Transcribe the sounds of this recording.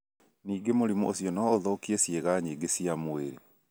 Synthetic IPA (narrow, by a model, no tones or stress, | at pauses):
niːɡemoɾimɔo̰sjɔnaoðɔkiesjeɣaɲeːɡesiamweɾe